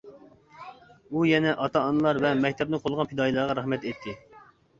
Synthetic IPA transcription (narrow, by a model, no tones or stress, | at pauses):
ujɛnɛʔɑt̪ɑːnɨlˠɑɾvɛmɛkʲt̪ʰɛp̚nɨqʰolˠʁɑnpʰid̪ɑːjilˠɑɾʁɑɾɑχmɛt̪et̪ʰːɪ